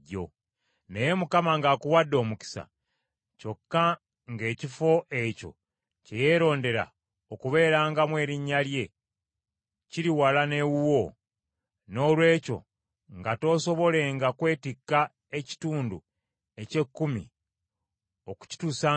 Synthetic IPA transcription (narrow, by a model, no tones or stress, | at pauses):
o̞̰ | ne̞jemukamaŋɡaːkuwadːo̞ːmuki̥sa̰ | co̞kːa | ŋɡe̞ːcifo̞ʔe̞co̞̰ | ce̞je̞ːɾo̞ːnde̞ɾa̰ | okuβe̞ːɾaːŋɡamwe̞ːɾiɲːalje̞ | ciɾiwalane̞wuwo̞ | no̞ːlwe̞ːco̞̰ | ŋɡato̞ːso̞βo̞le̞ŋɡakwe̞ːtikːa | eci̥tuːndu | e̞ce̞kːumḭ | oku̥ci̥tuːsa